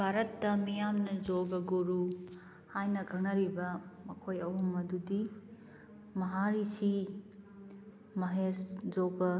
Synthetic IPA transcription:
bʱaɾɐtːɐmijamnɐzoɡɐɡoɾu | hajnɐkʰɐŋ̚nɐɾibɐmɐkʰojɐwɦɐmɐdudi | mɐɦaɾisi | mɐɦeszoɡɐ

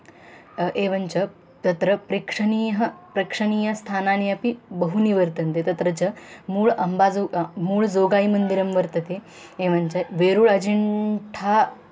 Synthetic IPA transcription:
ʔeʋənt͡ɕɐ | t̪ɐt̪ɾəpɾikʂəniːɦəpɾɐkʂəniːjɐst̪ʰananiɐpibəɦuniʋəɾt̪ənt̪et̪ɐt̪ɾət͡ɕɐmuːɭɐmbad͡zomuːɭd͡zoɡaimənd̪iɾəmʋəɾt̪ət̪e | eʋəɲt͡ɕɐʋeɾuːɭəd͡ʑiɳʈʰa

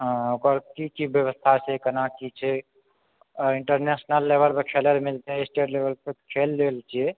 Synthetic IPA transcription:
ɦə̃okəɾkikibjəβəst̪ʰat͡ʃʰɛkənakit͡ʃʰɛ | iɳʈəɾnesnəlːebəlpekʰeleɾmild͡ʒasʈeʈlebəlpekʰelːelt͡ʃʰijɛ

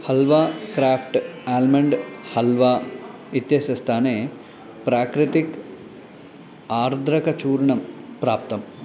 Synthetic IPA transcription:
hɐlʋaːkɾaːfʰʈaːlmɐɳɖhɐlʋaː | it̪jɐsɐst̪ʰaːneː | pɾaːkɾɪt̪ik | aːɾd̪ʱɾɐkɐt͡ʃuːɾɳɐmpɾaːp̚t̪ɐm

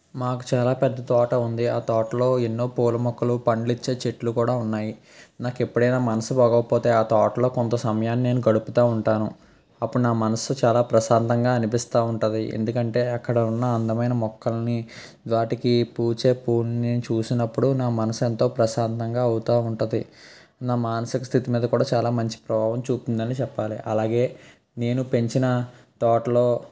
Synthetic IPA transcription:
maːku̥t͡ʃaːlaːpɛd̪ːɐt̪ɔːʈɐund̪iaːt̪ɔːʈɐlo̞ːe̞nːo̞ːpoːlɐmɔkːɐlupɐɳlit͡ʃːe̞ːt͡ʃeʈlukuːɽaːunːaːji | naːkepːuɽɐjnaːmɐnɐsubɐːɡɐkɐpo̞ːt̪e̞ːaːt̪ɔːʈɐlo̞ːkont̪ɐsɐmɐjaːnːine̞ːnuɡɐɽuput̪aːuɳʈaːnu | ɐpːuɽunaːmɐnɐsut͡ʃaːlaːpɾɐʃaːnt̪ɐŋɡaːɐnipist̪aːuɳʈɐnd̪iʔḛnd̪ukɐɳʈe̞ːɐkːɐɽɐunːɐːnd̪ɐmɐjnɐmɔkːɐlɐni | d̪ʋaːʈikipuːt͡ʃe̞ːpuːnnit͡ʃuːsinɐpːuɽunaːmɐnɐsɐnt̪o̞ːpɾɐsaːnt̪ɐŋɡaːɐwut̪aːuɳʈund̪i | naːmaːnɐsikɐst̪ʰit̪imiːd̪ɐkuːɽaːt͡ʃaːlaːmɐɲt͡ʃi̥pɾɐbʱaːʋɐmt͡ʃuːp̪und̪ɐnit͡ʃɛpːaːlḭʔɐlaːɡe̞ː | ne̞ːnupe̞ɲt͡ʃinɐt̪ɔːʈɐlo̞ː

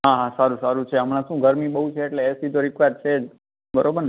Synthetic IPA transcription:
ɦãɦãsaɾũsaɾũt͡ʃʰeɦəmɽãʃũɡʱəɾmiɓəɦut͡ʃʰeːʈleːsit̪̬oɾɪkʋad̪̚t͡ʃʰed͡ʒ | bəɾobəɾ

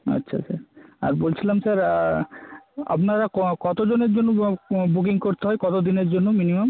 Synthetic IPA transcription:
ɐ̰tːɕʰa̰sa̰ɾa̰ɾbolt͡ɕʰilamsaɾ | a̰pnaɾakkɔt̪od͡ʑoneɾd͡ʑonːobuk̬iŋkoɾt̪eɦɔekɔt̪od̪ineɾd͡ʑonːominimam

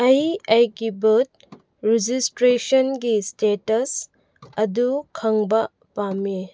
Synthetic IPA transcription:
ɐjɐjɡibət̚ | ɾid͡ʒistɾesɔnɡistetɐs | ɐdukʰɐŋbɐ | pame

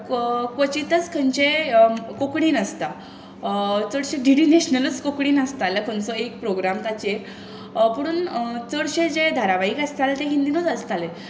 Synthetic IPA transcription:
kʋət͡ɕit̪ət͡skʰənt͡ɕekokɽiːnəst̪a | t͡səɽɕẽɖiɽineɕnələt͡skokɽiːnəst̪aləkʰənt͡sɔekpɾoɡɾamt̪at͡ɕeɾ | pəɽ̃uːnt͡səɽɕed͡ʑed̪ʱaɾaʋaiːkəst̪alət̪eɦind̪inut͡səst̪ale

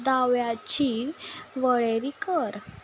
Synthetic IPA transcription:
d̪aʋjat͡ɕiʋəɭeɾikəɾ

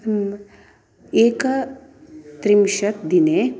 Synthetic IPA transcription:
eːk | t̪ɾimʃɐt̪d̪ine

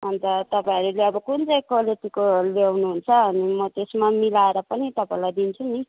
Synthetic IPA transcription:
ʌnt̪ʌt̪ʌpãĩʌɾuleʌbʌkunt͡sʌjkʌleʈikolewnuɦunt͡sʰʌːnimʌt̪esmamilaeɾʌpʌnit̪ʌpãĩlajd̪int͡sʰuni

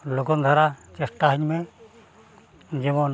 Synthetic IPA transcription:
loɡɔnd̪ʱaɾat͡ʃɛsʈaɦəɲmɛ | d͡ʒɛmɔn

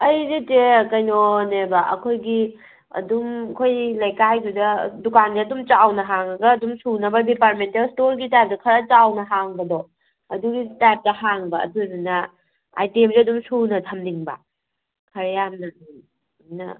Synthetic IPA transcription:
ɐjzitekɐjnonebɐʔɐ̰kʰojɡi | ɐ̰dumkʰojlɐjkajɡudɐdukandiɐdumt͡ʃawnɐɦaŋɐɡɐːdumsunɐbɐdipaɾ̚mentːastoɾɡitajp̚tɐkʰɐɾɐt͡ʃawnɐɦaŋbɐdɔ | ɐduɡitajp̚tɐhaŋbɐɐ̰duninɐ | a̰jtemziɐdumsunɐtʰɐmniŋbɐ̰ | kʰɐɾɐjamnɐ | nɐ̰

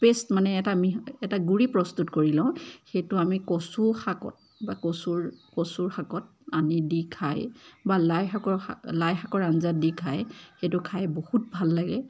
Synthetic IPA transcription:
pestmanɛːtamiɛtaɡuɹipɹɔstutkoɹilãʊ̃xejtʊamikɔsuxakɔ̰t̚ | bakosuɹkosuɹxakɔt̚ | anidikʰajbalajakɔlajxakɔɹanzadikʰajxetʊkʰajbohut̚bʱalːaɡɛ

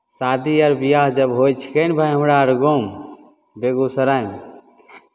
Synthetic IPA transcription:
sad̪iəɾbijaɦd͡ʒəbɦojt͡ʃʰi̥kənbʱajɦəmɾaəɾɡom | b̪eɡusəɾam

